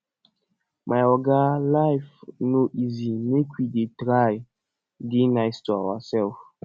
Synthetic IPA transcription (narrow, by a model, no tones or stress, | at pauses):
mʔajɔɡalajfnoʔizimekʰwidetɹaj | denaɪstua̰wasɛlf